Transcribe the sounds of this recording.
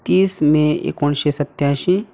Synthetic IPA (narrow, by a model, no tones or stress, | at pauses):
t̪iːsmẽḛːkonʃisɐt̪jãːʃi